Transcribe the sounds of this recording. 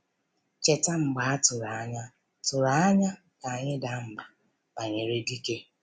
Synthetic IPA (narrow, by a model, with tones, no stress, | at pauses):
t͡ʃe˨ta˦ŋ͡m̩˨ɡ͡ba˨a˦tʊ˨ɾa˨a˦ɲa˦ | tʊ˨ɾa˨a˦ɲa˦ | ka˨ɲɪ˦da˨ŋ͡m̩˨ɡ͡ba˨ | a˨ɲe˨ɾe˦di˦ke˦